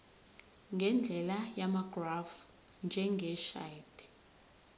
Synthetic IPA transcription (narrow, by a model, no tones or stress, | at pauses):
ŋɡʱɛnd͡ɮʱɛlajamaɡrav | nd͡ʒʱɛŋɡʱɛʃa̰jt